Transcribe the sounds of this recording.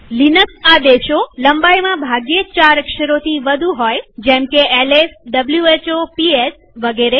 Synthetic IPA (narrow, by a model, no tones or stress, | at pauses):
linəksad̪eʃoləmbajmãbʱaɡjet͡ʃaɾəkʃəɾot̪ʰiʋəd̪ʱũɦojd͡ʒɛ̃mkeelesɖəbljuet͡ʃopies | ʋəɡeɾe